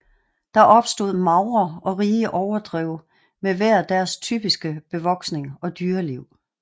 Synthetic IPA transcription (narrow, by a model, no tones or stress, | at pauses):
d̥ɑ̈ʔɒ̽b̥sd̥o̝ð̰ˠmɑ̈ʊɐɒ̽ʁiːəʔɒʊɐd̥ʁɛʊ̰ | meʋæɐ̰d̥æɐst͡sʰy̰b̥isɡ̥əb̥e̝ʋɒ̽ɡ̥sne̝ŋɒ̽d̥yːɐliʊ̰